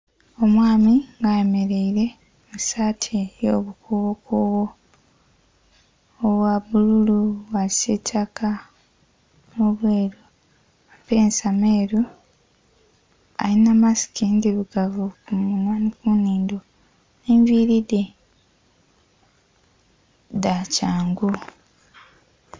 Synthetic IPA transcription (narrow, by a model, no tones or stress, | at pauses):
o̞mwaːmiŋɡajeme̞ɾe̞iɾe̞ | musaːtʰejoβukʰuβokuβo | βwaβululuwaisetʰaka | muβwe̞ːɾu | mapeːnsameːɾu | a̰jinamasi̥kindiluɡavukumunanikuniːndo | eɱviɾide | dacaːŋɡu